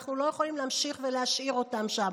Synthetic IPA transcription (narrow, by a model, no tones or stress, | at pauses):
χnulo̞jeχolimleamʃiχveleaʃʔiʁo̞t̪amʃam